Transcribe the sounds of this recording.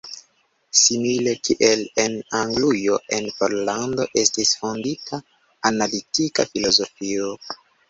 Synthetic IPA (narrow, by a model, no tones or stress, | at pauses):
simile̞kʰiʔe̞lenaŋɡlujo̞ʔe̞npoɾlando̞ʔe̞stisfo̞nditʰa | analitika̰filo̞zo̞fio